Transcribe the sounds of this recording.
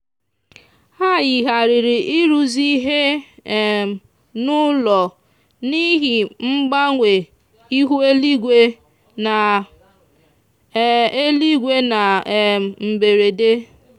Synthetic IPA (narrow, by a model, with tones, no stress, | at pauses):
ha˦jɪ˨ɦa˨ɾɪ˨ɾɪ˨ʔi˦ɾu˨zi˦ɦe˦˨ | nʊ˦lɔ˨ | ni˦ɦi˨ŋ͡m̩˦ɡ͡ba˦ŋʷe˨ | i˦ɦu˦e˦li˦ɡʷe˦ | na˨ | e˦li˦ɡʷe˦na˨ | m̩˨be˨ɾe˨de˦